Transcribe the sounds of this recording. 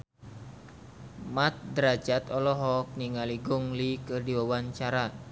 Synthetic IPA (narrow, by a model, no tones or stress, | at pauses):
mat̪̚dɾad͡ʒat̪ɔlɔɦɔk̚niŋaliɡɔŋlikɨrdiwawaɲt͡ʃaɾa